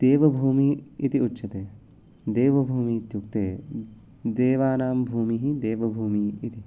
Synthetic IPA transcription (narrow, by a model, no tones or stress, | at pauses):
d̪̥eːʋɐbʱuːmiit̪iʊtːʃʰɐt̪eː | d̪eːʋɐbʱuːmit̪jukt̪eː | d̪eːʋaːnaːmbʱuːmiɦid̪eːʋɐbʱuːmiit̪i